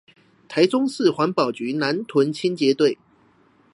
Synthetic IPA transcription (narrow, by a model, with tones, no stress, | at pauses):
t̪ʰa˧˥ɪt͡sʊ˥ŋsɹ̩˥˨xwa˧˥npɑ˨˩ʊt͡ɕy˨˥˦na˧˦nt̪ʰwə˧˦nt͡ɕʰi˥nt͡ɕjɛ˧˥t̪we˥˨ɪ